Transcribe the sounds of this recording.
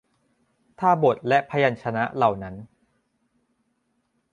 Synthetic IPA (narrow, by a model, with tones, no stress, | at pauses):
t̪ʰaː˥˩bo˨˩t̪̚lɛ˦˥ʔpʰa˧ja˧nt͡ɕʰa˧na˦˥la˨˩wna˦˥n